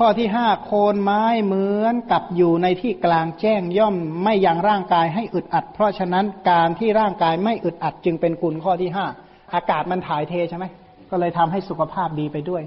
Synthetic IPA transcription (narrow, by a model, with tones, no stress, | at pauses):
kʰɔː˥˩t̪ʰiː˥˩ɦaː˥˩kʰoː˧nmaː˦˥jmɯ˦˥ənka˨˩p̚juː˨˩na˧jt̪ʰiː˥˩klaː˧ŋt͡ɕɛː˥˩ŋjɔ˥˩mːa˥˩jːa˧ŋɾaː˥˩ŋkaː˧jɦa˥˩jʔɯ˨˩t̪̚ʔa˨˩t̪̚pʰɾɔ˦˥t͡ɕʰa˧na˦˥nkaː˧nt̪ʰiː˥˩ɾaː˥˩ŋkaː˧jma˥˩jʔɯ˨˩t̪̚ʔa˨˩t̪̚t͡ɕɯ˧ŋpe˧nku˧nkʰɔː˥˩t̪ʰiː˥˩ɦaː˥˩ | ʔaː˧kaː˨˩t̪̚ma˧nt̪ʰaː˩˦jt̪ʰeː˧t͡ɕʰa˥˩ma˦˥j | kɔː˥˩lɤː˧jt̪ʰa˧mɦa˥˩jsu˨˩kʰa˧pʰaː˥˩p̚diː˧pa˧jdu˥˩əj